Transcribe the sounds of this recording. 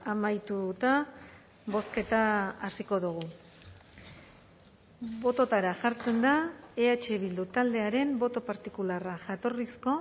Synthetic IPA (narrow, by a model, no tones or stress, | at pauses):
amajt̪ut̪a | βo̞ske̞t̪aasiko̞ðuɣ̞u | βo̞t̪o̞t̪aɾaʝaɾt͡se̞nd̪aeat͡ʃe̞βild̪ut̪ald̪e̞aɾe̞mbo̞t̪o̞paɾt̪ikularaʝat̪o̞risko̞